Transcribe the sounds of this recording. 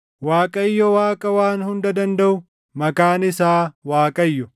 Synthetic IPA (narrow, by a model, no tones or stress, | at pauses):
waːkʼɐjːɔwaːkʼɐwaːnhʊnd̪ɐd̪ɐnd̪ɐʔʊ | mɐkaːnɪsaːwaːkʼɐjːɔ